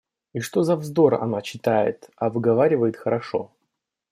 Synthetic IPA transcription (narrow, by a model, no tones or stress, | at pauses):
iʂt̪o̞zɐvzd̪o̞ɾɐ̰nat͡ɕɪt̪ajɪ̰t̪ɐvɨɡɐvaɾʲɪvəjɪt̪xəɾɐʂo